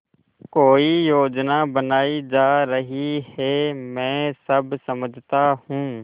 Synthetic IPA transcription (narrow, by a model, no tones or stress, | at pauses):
koːijoːd͡ʒnaːbənaːiːd͡ʒaːɾəɦiheːmɛ̃ːsəbsəməd͡ʒʱt̪aːhũː